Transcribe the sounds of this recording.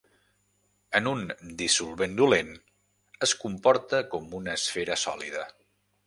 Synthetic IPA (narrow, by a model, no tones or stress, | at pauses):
ənund̪isulˠβend̪ulen | əskumpɔɾt̪əkɔmunəːsfeɾəsɔ̰liðə